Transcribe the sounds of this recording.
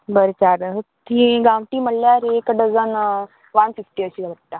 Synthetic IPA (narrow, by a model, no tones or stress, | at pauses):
bəɾet͡ɕaɾt̪ʰĩɡãʋʈiːməlːjaɾekɖəzən | ʋanfifʈiəɕiːləʈːa